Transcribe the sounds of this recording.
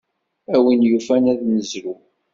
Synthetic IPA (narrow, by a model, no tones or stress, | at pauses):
æwinjufænæðnəzɾu